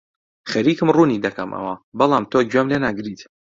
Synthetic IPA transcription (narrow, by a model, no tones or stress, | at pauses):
xɐɾiːkɨmruːnid̪ɐkɐmʔɐ̰wɐbɐlˠaːmt̪ʰod͡ʒwamlenaːɡɾiːt̪